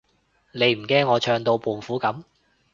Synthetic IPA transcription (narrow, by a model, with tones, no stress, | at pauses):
ne˨˧jm̩˨˩kɛː˥ŋːɔː˨˧t͡ʃʰœː˧ŋt̪o˧wpʰuː˨nfuː˨˥kɐ˨˥m